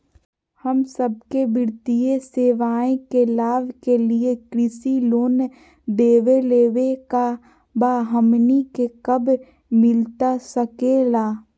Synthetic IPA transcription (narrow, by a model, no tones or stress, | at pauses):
həmsəb̚kebɪɾt̪ijeseːʋaːẽkelaːʋkeliekɾɪsiloːn | d̪eːʋeleːʋeka | baːɦəmnikekəb | mɪlt̪asəkeːlaː